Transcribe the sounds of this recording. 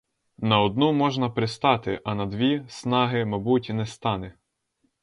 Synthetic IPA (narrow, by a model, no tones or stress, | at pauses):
nɐɔd̪̚numɔʒnɐpɾɪst̪ɑt̪ɪ̰ʔɐnɐd̪ʋʲisnɑɦɪmɐbutʲnɛst̪ɑnɪ